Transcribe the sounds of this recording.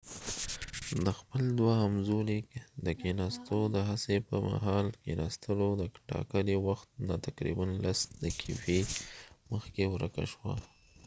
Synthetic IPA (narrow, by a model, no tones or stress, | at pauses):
d̪əxpəld̪waamzolikd̪əkenɑst̪od̪əɦasepəma̰ɦɑlkenɑst̪əlod̪əʈɑ̰kəliwaxt̪̚nɑt̪akɾḭbanlasd̪əkʰifeməxkewɾə̰ka̰ʃwa̰